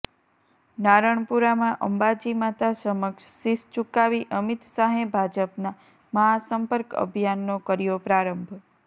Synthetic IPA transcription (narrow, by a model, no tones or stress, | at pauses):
naɾəɳ̃puɾamãʔəmbad͡ʒimat̪asəməkʃsist͡ʃukaʋiʔəmit̪saɦebʱad͡ʒəpna | məɦasəmpəɾkə̰bʱjanːokəɾijopɾaɾəmbʱ